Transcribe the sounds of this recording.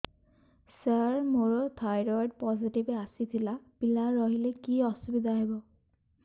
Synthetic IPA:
saɹmoɹɔt̪ʰajɹɔd̚pɔzitibɛasit̪ʰilapilaɹɔɦilɛkiɔsubid̪ʱaɦɛbɔ

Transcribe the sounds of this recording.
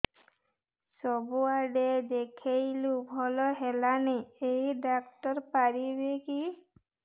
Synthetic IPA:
sɔbuaɖed̪ekʰejlubʱɔlɔɦelaneejɖakʈɔɾpaɾibeki

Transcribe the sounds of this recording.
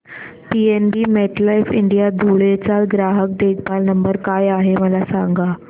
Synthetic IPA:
pienɖiːmeʈ̪lajfiɳɖijad̪ʱuɭet͡salɡɾaɦək̚ɖeɡbalnəmbəɾkajaɦeməlasa̰ŋɡa

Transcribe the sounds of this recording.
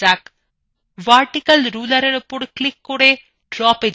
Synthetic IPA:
ak | ʋaːɾʈikɐlɾuːlɐɾeɽɐpʊɽklɪkːoɽe | ɖɾɔːpe

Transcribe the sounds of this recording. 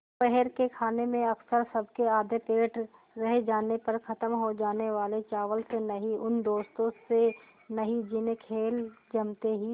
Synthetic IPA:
pɛɦɛɾkekʰaːnemẽɐksəɾsɐbʱkeaːd̪ʱepeːʈʰ | ɾɐɦed͡ʒaːnepɐɾkʰɐt̪əmɦod͡ʒaːneʋaːlet͡ʃaːʋəlsenɐɦiʔʊnd̪oːst̪õse | nɐɦid͡ʒɪnekʰeːld͡ʒɐmt̪eɦi

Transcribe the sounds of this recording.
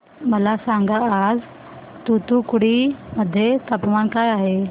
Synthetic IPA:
məlasãŋɡaːd͡z | t̪ut̪ukuɽiməd̪ʱːjet̪əpmankajaɦe

